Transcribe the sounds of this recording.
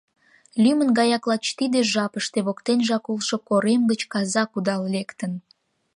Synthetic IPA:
lʲymənɡɑjɑklɑt͡ɕt̪id̪eʒɑpəʃt̪eβokt̪enʒɑkulʃokoɾemɡət͡ɕkɑzɑkud̪ɑllekt̪ən

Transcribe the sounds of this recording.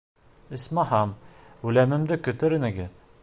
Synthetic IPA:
ɘ̆smɑhɑmʉlæmɘ̆md̪ɘkɵ̆t̪ɘ̆ɾɘ̆nɘ̆ɡɘð

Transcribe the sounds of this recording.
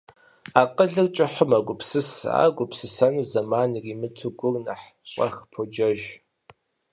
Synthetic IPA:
aːqəɮɨrt͡ʃʼɪħʊmaɡʷʊpsɨsa̰ːɡʷʊpʰsɨsɐnuːzɐmaːnriːmɨtʰɨɡʷʊrnaħɕʷʼɐ̰xpʰod͡ʒɐʒ

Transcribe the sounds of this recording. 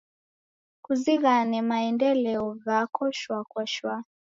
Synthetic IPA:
kuziɣanɛmaɛndɛlɛɔɣakɔʃwakwɔʃwa

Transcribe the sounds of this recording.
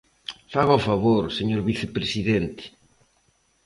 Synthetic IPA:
faɣoɔfaβoɾseɲoɾβiθepɾesiðent̪ɪ̥

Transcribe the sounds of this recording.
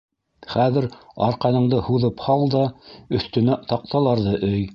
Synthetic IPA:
χæðɘ̆ɾɑ̰ɾqɑnɤ̆ɴd̪ɤhuðɤphɑlˠd̪ɑɵ̆θt̪ɵ̆næt̪ɑq̚t̪ɑlˠɑɾðɤʔɵj

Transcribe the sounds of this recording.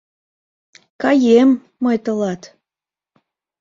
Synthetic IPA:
kɑjemː | ɤjt̪ə̆lɑt̪

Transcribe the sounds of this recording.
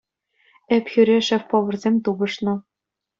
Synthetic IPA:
ĕpxʲyɾʲeʃɘ̆fpŏʋɤ̆rzʲemʲt̪ubɤ̆ʃnɤ̆

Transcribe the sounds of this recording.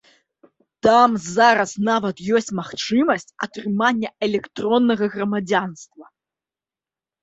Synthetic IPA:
t̪amzaɾɐsnavɐt̪jɔsʲt͡sʲmaxt͡ʂɨmɐsʲt͡sʲɐ̰t̪ɾɨmanʲːɐɛlʲɛkt̪ɾɔnːɐɣɐɣɾɐmad͡zʲanst̪vɐ

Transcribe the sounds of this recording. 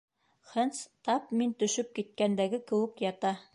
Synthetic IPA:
χɘnt̪st̪ɑpmint̪ɵ̆ʃɵp̚kit̪̚kænd̪æɡɘkɘ̆wɘ̆kjɑt̪ɑ

